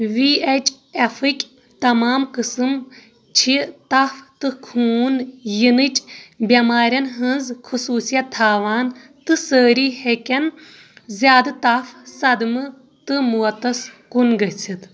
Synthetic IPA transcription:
ʋiet͡ʃʼ | efɨkʲ | t̪ɐmaːmkɨsɨm | t͡ʃʰit̪ɐft̪ɨkʰuːnjinɨt͡ʃʼbʲɐmaːɾʲɐnɦɨ̃nzkʰɨsuːsijɐt̪ʰːaːʋaːn | t̪ɨsəːɾiːhekʲɐn | zjaːd̪ɨt̪ɐfsɐd̪mɨ | t̪ɨmuɐt̪ɐskunɡɐt͡sʰit̪

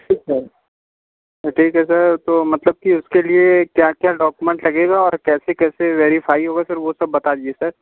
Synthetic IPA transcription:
ʈʰiːksɐɾ | ʈʰiːkɦɛsɐɾt̪oːmɐt̪ləb̚kiʊskeliekjaːkjaːɖɔːkumẽɳʈlɐɡeːɡaɔːɾkɛːsekɛːseʋeːɾifaːiɦoːɡasɐɾʋosɐbːɐt̪ad̪iesɐɾ

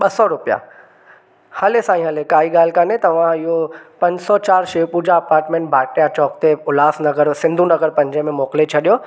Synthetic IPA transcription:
ɓɐsɔɾʊpija̰ | hɐlesãːĩɦɐlekaːɦiɠaːl̤kanet̪ɐʋ̤ãɪɦopɐ̃ɲd͡ʑsɔt͡ɕaːɾʃeːpud͡ʑaɐpaːɾʈmẽːɳʈbʱaːʈjat͡ɕɔːk̚t̪eʊlaːsnɐɡəɾsɪ̃nd̪ʱũnɐɣəɾpɐ̃ɲd͡ʑəmẽmɔːkɪlet͡ɕʰɐɗijoː

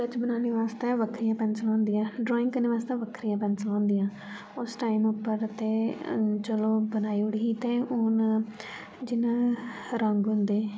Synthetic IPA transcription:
kət͡ʃbənaːneːʋaːst̪ẽːʋəkʰɾijãːpɛ̃ːnsəlãːnd̪ijãːɖɾɔːɪ̃ŋɡkəɾneːʋaːst̪ẽːʋəkʰɾijãːpɛ̃ːnsəlãːnd̪ijãː | ʊsʈaːimʊpːəɾt̪eːt͡ʃəloːbənaːiːʊɽiːiːt̪ẽːʊːn | d͡ʒɪnãːɾəŋɡɦʊ̃nd̪eː

